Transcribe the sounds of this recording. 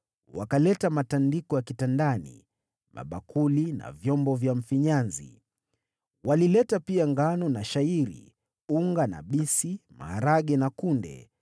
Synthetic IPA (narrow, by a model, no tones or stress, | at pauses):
wakalɛtamatandikɔjakitandanḭ | ma̰ɓakʰulina̰vjɔmbɔvjam̩fiɲanzḭ | walilɛtapiaŋɡanɔnaʃaiɾḭ | uŋɡana̰ɓisima̰aɾaɠɛnakundɛ̰